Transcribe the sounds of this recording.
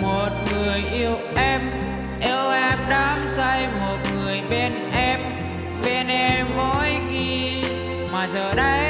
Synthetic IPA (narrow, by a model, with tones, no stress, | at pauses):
mo˨˩t̚ŋɨ˨˩əjʔi˧əwʔɛ˧m | ʔɛ˧ʔɛ˧mɗa˨˦sə˧jmo˨˩t̚ŋɨ˨˩əjɓe˧nʔɛ˧m | ve˧ne˧mɔ˧˥˦jɣi˧ | maː˨˩zəː˨˩ɗə˧j